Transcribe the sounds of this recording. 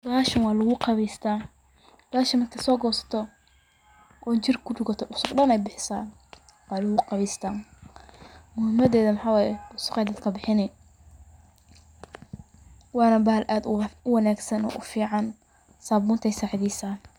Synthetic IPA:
dɐaːʃɐnwɑːlʊɣʊqɑβiːst̪ʰaː | bɐaːʃɐmɐnkʰɐsɔːɡɔːsɐ̥t̪ʰɔ | ʔɔːt͡ʃɪrkʰʊɖʊɡɐt̪ʰɔʔʊsʊɡɗɐnɛjbɪħɪsaːn | wɑːlʊɣʊqɑβiːst̪ʰaːn | mʊhɪmɐðɛːðɐmɐħaːwɑːjɛʊsʊqɛjd̪ɐd̪kʰɐbɪħɪnɛ | wɑːnɐbaːlʔaːd̪ʊwɑnaːɡsɐnɔ̰ːʔʊfiːʕɑn | saːbuːnt̪ʰɛjsaːʕɪðiːsaːn

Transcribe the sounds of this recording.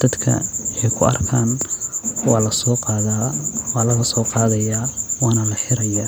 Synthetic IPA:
d̪̥ɐd̪kʰɐ̰ɪħɛjkʰʊɐ̰rkʰaːn | wɑːlɐsɔːqɑðawɑːlɐɣɐsɔːqɑːðɐjaːwɑːnɐlɐħɪɾɐjaː

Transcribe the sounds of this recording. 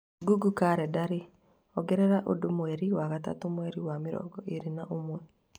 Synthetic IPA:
ɡuɡukaɾɛdaɾe | ɔɡɛɾɛɾaʔo̰domwɛɾiwaɣata̰tomwɛɾiwamɪɾɔ̰ɡɔʔeɾinaʔomwɛ

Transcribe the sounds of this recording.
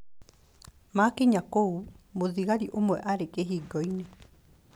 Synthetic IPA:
makeɲakoumoðiɣaɾiʔomwɛʔaɾekeɦiːɡɔine

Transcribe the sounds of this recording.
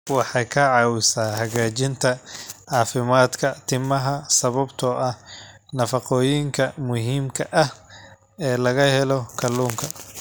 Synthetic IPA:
wɑħɑjkʰɐʕɑwɪsaːɦɐɣaːt͡ʃɪnt̪ʰɐʕɑːfɪmaːd̪kʰɐt̪ʰɪmɐɦɐsɐβɐbt̪ʰɔʔɐh | nɐfɑqɔːjɪŋkʰɐmʊɦiːmkʰɐʔɐh | ɛːlɐɣɐhɛlɔkʰɐluːŋkʰɐ

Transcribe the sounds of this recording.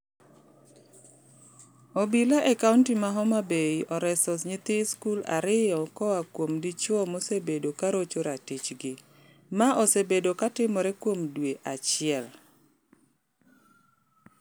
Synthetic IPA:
obilaʔɛkauntimaɦɔmabeiʔɔɾɛsɔsɲɪt̪ɪskula̰ɾɪjɔkɔwakwomdit͡ʃɔmosebedokaɾot͡ʃoɾatit͡ʃɡɪ | maʔosebedokatɪmɔɾɛkwomdweʔat͡ʃɪɛl

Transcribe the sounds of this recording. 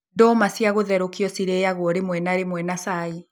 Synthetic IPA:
dɔmasiaɣoðɛɾokiɔsiɾɛjaɣwɔɾemwɛnaɾemwɛnasai

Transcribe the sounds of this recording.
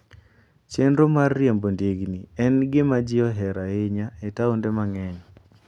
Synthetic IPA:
t͡ʃendɾomarːjembondeɡniɛnɡɪmad͡ʒɪɔɦɛɾaeɲaɛtaundemaŋɛɲ

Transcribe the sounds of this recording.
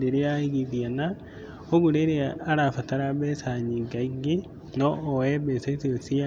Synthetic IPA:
deɾeaiɣiðjana | oɣuɾeɾeaaɾafataɾaβɛsaɲiɡaiɡi | noːɛbɛsaisosia

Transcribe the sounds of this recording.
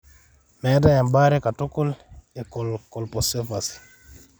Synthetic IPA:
mɛdajambaɾɛkatɔkɔlɛkɔlkɔlpɔsɛfasi̥

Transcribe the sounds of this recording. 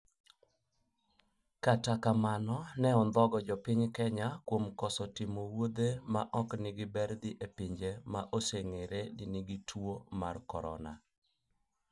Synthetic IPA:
katakamanɔnɛɔnd̪ɔɡɔd͡ʒɔpɪɲkɛɲakwomkɔsɔtɪmowod̪emaʔɔknɪɡɪbɛɾd̪ɪʔepɪɲd͡ʒemaʔoseŋeɾedɪnɪɡitʰwoma̰rkɔɾɔ̰na̰

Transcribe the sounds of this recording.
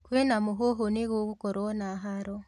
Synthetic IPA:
kwenamuɦoɦoneɣoβukoɾonaɦaɾo

